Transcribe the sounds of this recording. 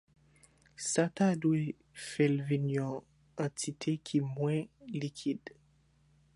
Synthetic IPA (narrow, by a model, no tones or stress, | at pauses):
satadwe | fɛlvinjɔ̃ | ɑ̃tʰit̪ʰekʰimwɛ̃likʰid